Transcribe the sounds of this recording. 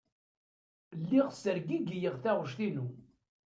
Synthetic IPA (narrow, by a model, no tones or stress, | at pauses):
lːiʁsəɾɡiɡijəʁθæʁʃθinu